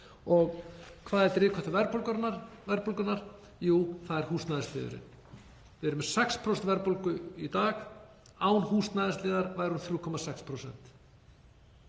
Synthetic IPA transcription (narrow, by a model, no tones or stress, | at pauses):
ɔɣkʰvaːðɛɾt̪ɾɪːkʰɔht̪ʏvɛɾpowlkœɾnaɾvɛɾpolkʏnaɾ̥ | juːθaðɛɾ̥huːst̪naðɪst̪ɪ̰ːðʏ̰ɾɪ̰n | vɪɛɾʏmɛ̥sɛkspʰɾɔst̪vɛɾpolkʏit̪aːɣ | aːwnhuːst̪naðɪst̪lɪːðaɾvajɾunθɾjuːkʰɔmasɛkspʰɾosɛ̰n̥t̪